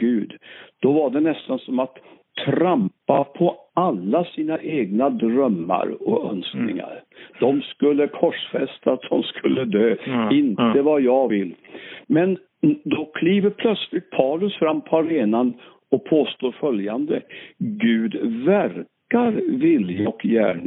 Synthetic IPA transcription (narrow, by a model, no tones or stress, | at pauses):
ɡ̥ʉ̟ːd̪d̪̥ɔvaɖɛnɛst̪ansɔmat̪ʰː | ɾampapʰɔalːasiːnaʔeːɡnad̪ɾœmːa̰ɾɔœ̰nsknɪ̰ŋa̰ɾd̪̥ɔmskɵlːəkʰɔʂfɛst̪at̪̚d̪ɔmskʰɵlːəd̪øːɪnt̪əvajɑvɪlːmɛn | d̪ɔkʰliːvəɾpʰlœt̪slɪt̪̚pʰaːlɵsfɾamːpʰɔaɾeːnan | ɔk̚pʰoːst̪oːɾfœljand̪əɡʉ̟ːd̪væɾkaɾvɪljaɔkjæ̰ːɳ